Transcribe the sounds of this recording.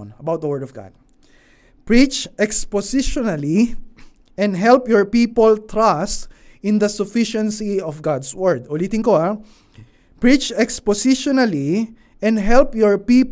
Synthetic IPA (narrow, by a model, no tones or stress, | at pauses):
nɐbawt̪̚d̪əwɛɹd̪ɔvɡa̰d̪̚ | pɹit͡ʃʔɛkspɔsɪʃɔnali | ʔɛ̃nd̪ɦɛlpjɔɹpipɔlt̪ɹast̪ɪ̃nd̪ɐsʊfɪʃɛ̃nsiɔfɡad̪swɛɹd̪̚ʊliːt̪ɪ̃ŋkoa | pɹit͡ʃɛkspɔsɪʃɔnali | ʔɛ̃nd̪ɦɛlpjɔɹpiːp